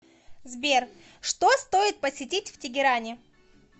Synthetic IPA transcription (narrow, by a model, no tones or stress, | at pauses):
zbʲer | ʂt̪o̞st̪o̞ɪt̪̚pəsʲɪtʲitʲftʲɪɡʲɪɾanʲɪ